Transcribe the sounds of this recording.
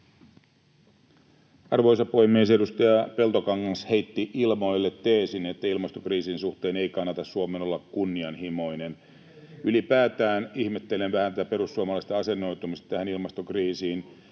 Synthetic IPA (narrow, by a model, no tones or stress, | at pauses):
ɑrʋo̞jsɑpo̞jmies̬edust̪ɑjɑpe̞lt̪okɑŋkɑnshe̞jt̪ːiʔilmo̞jlːet̪ːeːsinet̪ːæilmɑst̪okriːsinsuht̪e̞ːne̞ijkɑnːɑt̪ɑsːuomeːno̞lːɑkkunːiɑnhimo̞jnen | ylipæːt̪æːnihmet̪ːe̞lenʋæhænt̪æt̪æpe̞ɾusːuɑmɑlɑist̪ɑɑse̞nːo̞jt̪umist̪ɑ̥t̪æhænilmɑst̪okriːsiːn